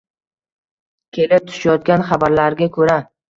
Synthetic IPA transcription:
kʲʰe̞lɪp̚t̪ʰʊ̥ʃajɒt̪̚kʲanχabaɾlaɾɡʲakʰɵɾa

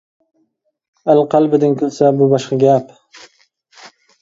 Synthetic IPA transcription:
alqʰɑlbɪd̪ɪŋkʰɵlsabʊbɑʃqɑɡʲap

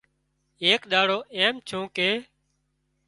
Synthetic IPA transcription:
eːkɗ̪aːɽoːʔeːmt͡ʃʰũːkeː

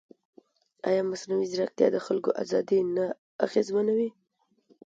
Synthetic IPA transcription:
a̰jɑmasnawizɾak̚t̪jɑ̰d̪əxalkoʔa̰zɑd̪ina | a̰ɣezmanawi

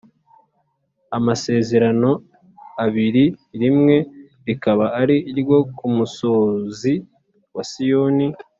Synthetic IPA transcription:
amase̞ːze̞ɾano̞ | aβiɾiɾimŋe̞ | ɾikaβaːɾiːɾɡo̞kumuso̞ːzi | wasijoni

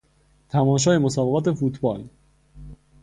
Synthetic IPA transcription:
t̪ʰæmɒːʃ̬ɒːjemosɒːbeɣɒːt̪ʰe̞fuːt̪ʰbɒːl

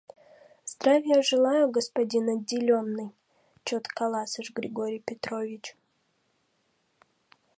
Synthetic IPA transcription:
z̥d̪ɾavʲɪjəʐɨlˠajʊɡəspɐdʲinɐdʲːɪlʲonːɨj | t͡ʃot̪kɐlˠasɨʂɡɾʲɪɡoɾʲɪjpʲɪt̪ɾovʲɪt͡ɕ

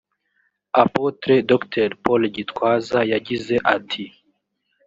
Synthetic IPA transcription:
apotɾedoktʰeɾpolɟitwaːzajaɟize̞ʔatʰi

